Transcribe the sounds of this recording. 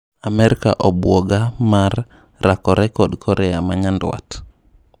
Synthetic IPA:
amɛɾika̰ʔɔbwɔɡamar | ɾakɔɾɛkɔɗkʰɔɾɛamaɲandwa̰t

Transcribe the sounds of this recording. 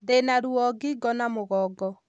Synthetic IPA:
denaɾuɔɡiɡɔnamoɣɔɡɔ

